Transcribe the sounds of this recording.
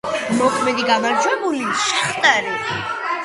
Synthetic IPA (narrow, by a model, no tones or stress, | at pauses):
mɔkʰmɛd̪iɡamaɾd͡ʒwɛbuliʃaχt̪ʼaɾi